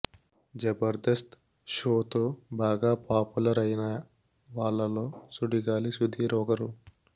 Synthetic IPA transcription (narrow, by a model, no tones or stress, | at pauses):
d͡ʒɐbɐɾd̪ɐst̪ | ʃoːt̪oːbaːɡaːpaːpulɐɾɐjinɐ | ʋaːɭːɐlo̞ːsuɽiɡaːlisud̪ʱiːɾɔːɡɐɾu